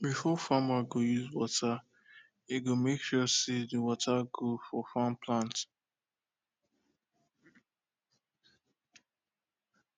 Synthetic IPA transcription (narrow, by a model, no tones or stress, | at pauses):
bifɔfamaɡojuzwɔtʰa | eɡomekʃɔsediwɔtʰaɡofɔfampʰlãnt